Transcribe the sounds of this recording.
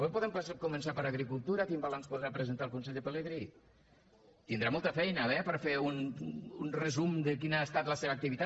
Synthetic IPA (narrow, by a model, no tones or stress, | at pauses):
ɛpɔðəmpəskumənsapəɾəɣɾikulˠt̪uɾəkimbalanspuðɾapɾəzənt̪alˠkunsɛʎd̪əpələɣɾi | t̪ind̪ɾamɔlˠt̪əfɛjnəβɛpəɾfeununrəzumd̪əkinaest̪at̪ləseβək̚t̪iβit̪a